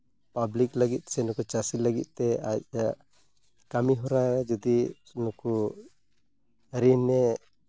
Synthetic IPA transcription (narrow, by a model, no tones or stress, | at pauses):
pabliklaɡit̪̚sɛnɔkut͡ʃasilaɡḭt̪̚ˀt̪ɛac̚ja | kamiɦɔɾajd͡ʒɔd̪i | nɔku | ɾinɛ